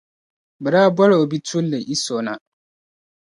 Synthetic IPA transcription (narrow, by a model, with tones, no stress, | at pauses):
bɨ˨ɾa˦bɔ˦ɾo˨o˨bi˦tʰu˦lːe˨ʔi˦so˨na˦